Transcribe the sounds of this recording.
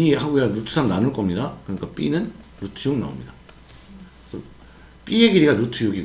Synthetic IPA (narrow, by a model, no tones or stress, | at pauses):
ihaɡojaɾutʰu̥sʰaŋnanɯɭk͈ʌmɲidakɯɲik͈ap͈ḭnɯnɾutʰɯjoŋna̰o̰mɲida | sʰʌ | p͈ieɡiɾiɡaɾutʰujoɡiɡ